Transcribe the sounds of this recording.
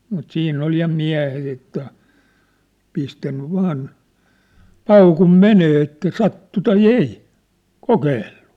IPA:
mut siːnː ol jɑ miæ̝het etːæ pistænːy ʋɑːn pɑukum meneː etːæ sɑtːu tɑi ei kokeːlːu̥

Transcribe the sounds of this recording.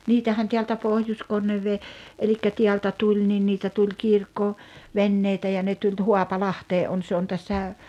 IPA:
niːtæhæn teæltæ pohjoskonːeʋːeː elikːæ tiæltæ tulʲ nin niːtæ tulʲ kirkːo ʋenːeitæ jɑ ne tulʲ ho̝ɑpɑlɑhteː ʔon se on tæsːæ

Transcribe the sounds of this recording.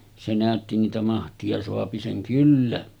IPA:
se næˑøtːi niːtæ mɑhtiɑ soɑpi seŋ kylːæ

